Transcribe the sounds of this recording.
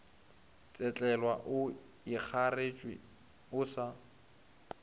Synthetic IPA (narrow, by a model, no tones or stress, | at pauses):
t͡sʼɛt͡ɬʼɛlwaʔʊ | ik͡xʰaret͡ʃʼwɪ̰ | ʊsa